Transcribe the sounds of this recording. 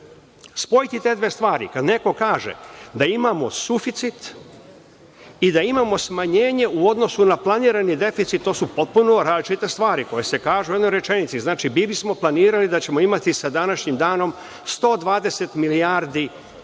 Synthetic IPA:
spo̞jit̪it̪e̞ːd̪ʋeːst̪ʋaːɾḭkad̪ne̞ko̞kaːʒḛd̪aimamo̞sufit̪sit̪ | id̪aimamo̞smaɲe̞ːɲe̞uo̞d̪no̞sunaplˠaniːɾanid̪e̞fit̪sit̪̚t̪ːo̞ːsupo̞t̪̚punoɾaːzlit͡ʃit̪e̞st̪ʋaːɾiko̞je̞se̞kaːʒuje̞d̪nojɾe̞t͡ʃe̞nit̪siznaːt͡ʃibibismo̞plˠaniːɾalid̪at͡ɕe̞mo̞imat̪isad̪anaʃɲimd̪aːno̞m | st̪o̞ːd̪ʋaːd̪e̞se̞t̪miliaːɾd̪i

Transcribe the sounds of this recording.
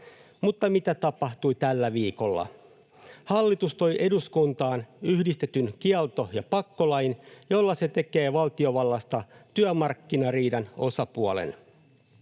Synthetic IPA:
mut̪ːɑmit̪æt̪ɑpɑht̪uit̪ælːæʋiːko̞lːɑ̰ | hɑlːit̪ust̪ojʔe̞duskunt̪ɑːnyhdist̪e̞t̪ynk̟iɑlt̪o̞jɑpɑkːo̞lɑjinjo̞lːɑse̞t̪e̞ke̞ːʋɑlt̪io̞ʋɑlːɑst̪ɑt̪yæmɑrkːinɑriːdɑno̞sɑpuɑlḛn

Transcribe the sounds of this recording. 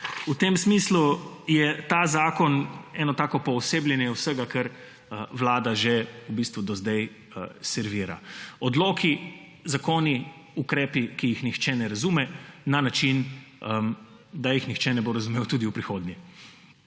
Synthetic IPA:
ut̪emsmislujɛt̪azaːkɔnɛːnɔt̪aːkɔpɔːseːblʲjɛnjɛwsəɡakəɾ | əʋlaːd̪aʒeubist̪ʋud̪ɔzd̪ɛj | sɛɾʋiːɾa̰ɔd̪loːki | zakoːni | ukɾɛːpikijixnixt͡ʃɛnɛɾazumɛnanat͡ʃinə | d̪ajixnixt͡ʃɛnɛboɾazumewt̪uːd̪iwpɾixoːd̪njɛ

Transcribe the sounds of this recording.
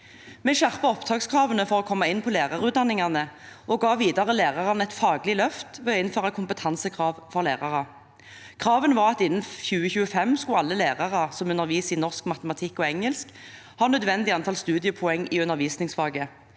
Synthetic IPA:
mɛʃæʁpɑɔpt̪ʰɑːɡskʰʁɑːʋənəfɔʁoːkʰɔmːɑɪnːpʰɔleːʁɑʁʉːd̪ɑnːɪŋɑnəɔɡɑːʋiːd̪ɑʁəlæːʁɑʁɑnɛt̪fɑːɡlɪlœft̪ʋɛːɪnføːʁɑkʰʊmpət̪ʰɑnsəkʰʁɑːʋfɔʁlæːʁɑʁɑ | kʰʁɑːʋənʋɑːʁɑt̪ɪnːnçʉːəçʉːəfɛmskʊɑlːəleːʁɑʁɑsɔmʉnəʁʋiːsɪnɔʁskmɑt̪əmɑt̪ʰɪkːɔɛŋəlsk | hɑːnœd̪ʋɛnd̪ɪɑnt̪ʰɑlst̪ʉːd̪ɪəpʰʊɛŋːɪʉnəʁʋiːsnɪŋsfɑːɡə

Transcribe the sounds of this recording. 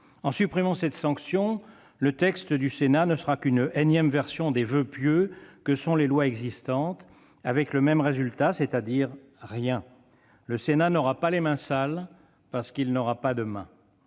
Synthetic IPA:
ɑ̃sypχimɑ̃sɛt̪sɑ̃ksjɔ̃ | lət̪ɛkst̪əd̪ysenanəsəʁakynɛnjɛmvɛʁsjɔ̃d̪evøpjøkəsɔ̃lelwaɛɡzist̪ɑ̃t̪ | avɛkləmɛmʁezylt̪aset̪ad̪iʁ | ʁjɛ̃ | ləsenanɔʁapalemɛ̃sal | paʁsə̥kilnɔʁapad̪əmɛ̰̃

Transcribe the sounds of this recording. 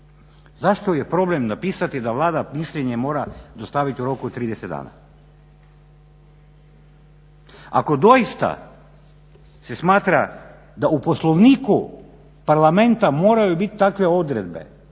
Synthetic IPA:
zaʃt̪ojepɾo̞blemnapiːsat̪id̪aʋlˠaːd̪amisʎeɲemo̞ːɾad̪ost̪aʋit̪iuɾo̞kut̪t̪ːɾiːd̪esed̪a̰ːna̰ | a̰ko̞d̪o̞jist̪a̰ | se̞smaːt̪ɾa | d̪aupo̞slˠoʋniːku | paɾlˠame̞nt̪amo̞ːɾajubit̪t̪akʋe̞o̞d̪ɾed̪be̞̰

